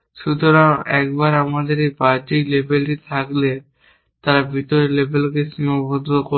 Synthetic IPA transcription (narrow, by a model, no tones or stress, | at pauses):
ʃut̪oɾaŋɛk̚baɾamad̪eɾejpaɾʈiklebʱelʈit̪ʰakle | t̪aɾabʱit̪oɾlebʱelkeʃimopod̪ɾoko